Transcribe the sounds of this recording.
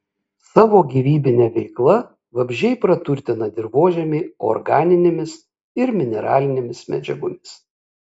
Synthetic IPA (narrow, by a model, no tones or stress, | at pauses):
sɑːʋoːɡʲiːʋʲiːbʲɪnʲɛʋʲɛɪklˠɐ | ʋɐbʲʒʲɛɪpɾɐt̪ʊɾʲt̪ʲɪnɐd̪ʲɪɾʋoːʒʲɛmʲɪɔ̰ɾɡɑːnʲɪnʲemʲɪs | ɪɾmʲɪnʲɛɾɑ̰ːlʲɪnʲemʲɪsmʲɛ̰d͡ʒʲɛɡʊmʲɪs